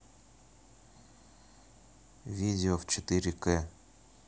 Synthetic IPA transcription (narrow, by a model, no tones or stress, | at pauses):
vʲidʲɪoft͡ɕɪt̪ɨɾʲɪkɛ